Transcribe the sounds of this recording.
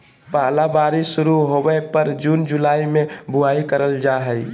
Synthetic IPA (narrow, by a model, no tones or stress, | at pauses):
paːlabaɾisuɾuɦobəpəɾd͡ʒund͡ʒulaːimebʱuaikəɾəld͡ʒaɦəj